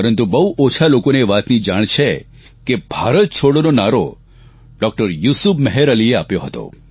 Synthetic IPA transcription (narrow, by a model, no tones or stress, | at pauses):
əɾənt̪ubəuʔot͡ʃʰalokoneʋat̪nid͡ʒaɽ̃t͡ʃʰe | kebʱaɾət̪̚t͡ʃʰoɽononaɾo | ɖɔk̚ʈəɾjusubməɦeɾəlieapjoɦət̪o̰